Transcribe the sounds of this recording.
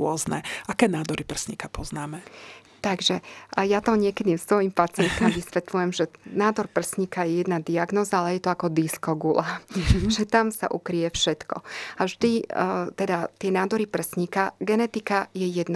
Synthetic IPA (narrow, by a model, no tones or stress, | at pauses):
ɔznɛ̰akɛːnaːd̪ɔɾipr̩sɲikapɔznaːmɛ | t̪aɡʒɛjat̪ɔɲɪɛkɛd̪ist̪ʋɔjimpat͡sɪɛnt̪amʋisʋɛt̪lujɛmʒɛnaːd̪ɔɾpr̩sɲikajɛjɛd̪nad̪iaɡnɔːzaalɛjɛt̪ɔakɔd̪iskɔɡulaʒɛt̪amsa̰ʔṵkɾijɛfʃɛt̪kɔ̰aʒd̪it̪ɛd̪at̪ɪɛnaːd̪ɔɾipr̩sɲikaɡɛnɛt̪ikajɛjɛd̪na